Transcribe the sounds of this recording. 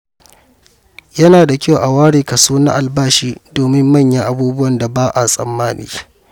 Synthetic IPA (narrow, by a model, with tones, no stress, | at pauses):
jɐ˦naː˨da˨kʲa˦wʔa˨waː˦ɽeː˨ka˨suː˦na̰˦ʔa˨lbaː˦ʃiː˦doː˨mɪ˦mːɐ˦˨ɲjɐ˦ŋʔa˦buː˦bʊ˦wɐ˨nda˨baː˦ʔa˨sʼɐ̰˨mːaː˦nḭː˦